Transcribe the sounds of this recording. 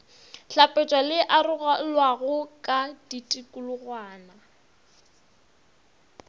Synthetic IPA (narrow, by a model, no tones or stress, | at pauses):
ɬapʼɛt͡ʃʼwalɪʔarʊɣalwaɣʊkʼaditʼikʼʊlʊɣwaːna